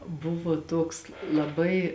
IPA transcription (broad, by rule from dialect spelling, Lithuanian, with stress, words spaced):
ˈbʊʋoː tuɔks lˠɐˈbɐɪ